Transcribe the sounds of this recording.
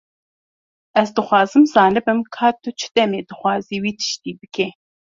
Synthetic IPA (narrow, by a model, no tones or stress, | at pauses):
ɛzd̪ɨxʷɑːzɨmzɑːnɨbɨmkʰɑːt̪ʰɨt͡ʃʰɨ̥d̪ɛmeːd̪ɨxʷɑːziːwiːt̪ʰɨ̥ʃt̪iːbɨkɛ